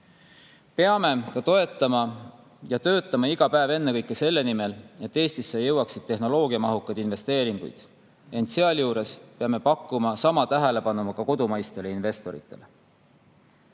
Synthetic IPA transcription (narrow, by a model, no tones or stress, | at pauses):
pe̞ɑme̞kɑt̪o̞e̞t̪ˑːɑmɑ | jɑt̪ø̞ːt̪ːˑɑmɑiɡ̥ɑpæeve̞nːekɤjkːˑe̞se̞lːe̞nime̞le̞t̪ːe̞ːst̪isːejɤwɑksid̪̥̚t̪e̞ɦno̞lo̞ːɡiɑmɑɦukːˑɑd̪̥inve̞st̪e̞ːɾiŋɡ̥ṵjd̪̥ | e̞nt̪seɑljuːɾe̞speɑme̞pɑkːˑumɑsɑmɑt̪æɦe̞le̞pɑnumɑkɑko̞d̪umɑjst̪e̞leinve̞st̪o̞ɾḭt̪ːˑe̞̰le